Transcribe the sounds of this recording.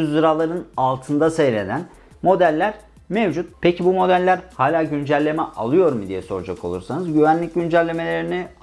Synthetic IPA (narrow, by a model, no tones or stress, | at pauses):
zd̪ɯɾalˠaɾɯnalˠt̪ʰɯnd̪asejle̞̰d̪æn | mo̞d̪ælʲːæɾ̥ | mevd͡ʒut̪̚pʰecʰibumo̞d̪ælʲːæɾhaːlʲaːɟynd͡ʒælʲːe̞mɛʔa̰lˠɯjo̞ɾmɯd̪ijɛso̞ɾud͡ʒakʰo̞lˠṵɾsanɯzɟyvænlʲic̚ɟynd͡ʒælʲːe̞me̞lʲe̞ɾini